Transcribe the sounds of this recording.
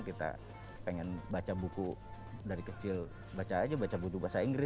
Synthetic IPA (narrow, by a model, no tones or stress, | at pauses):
kit̪a̰ | peŋɛnbat͡ʃabuku | daɾikət͡ʃɪl | bat͡ʃaːd͡ʒabat͡ʃabukubuasaiŋɡɾɪ